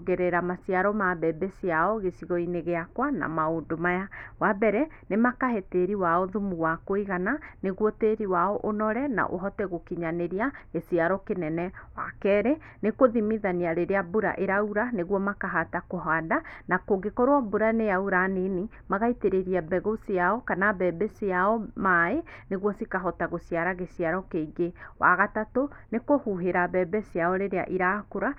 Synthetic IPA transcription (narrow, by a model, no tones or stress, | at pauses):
ɡɛɾɛɾamasiaɾɔmabɛbɛsiaɔɣesiɣɔineɣeakwana̰maondomajawabɛɾɛ | nemakaɦɛteɾiwaɔðumuwakoiɣananeɣwɔteɾiwaɔʔonɔɾɛna̰ʔo̰ɦɔtɛɣokiɲaneɾiaɣesiaɾɔkenɛnɛwa̰kɛːɾɛ | nekoðimiðaniaɾeɾeabuɾa̰ʔeɾauɾaneɣwɔmakaɦatakoɦadanakoɡekɔɾwaboɾanejauɾaneni | maɣaiteɾeɾiabɛɣosiaɔkanabɛbɛsiaɔmaeneɣwɔsikaɦɔtaɣosiaɾaɣesiaɾɔkeɡewa̰ɣatatonekohuɦeɾabɛbɛsiaɔɾeɾea̰ʔiɾakoɾa